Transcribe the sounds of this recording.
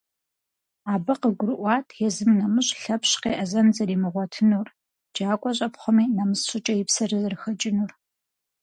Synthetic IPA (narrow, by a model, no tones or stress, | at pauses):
aːbɨqəɡʷʊɾɨʔʷɑːtʰjɛzɨmnɐmɨɕʼɬɐpɕqḛːʔɐzɐnzɐɾiːmɨʁʷɔtʰɨnuːr | d͡ʒaːkʷʼɔɕʼɐpχʷɔmiːnɐmɨsɕʷʊt͡ʃʼɐjɪpsɐrɨzrɨxɐt͡ʃʼɪnuːr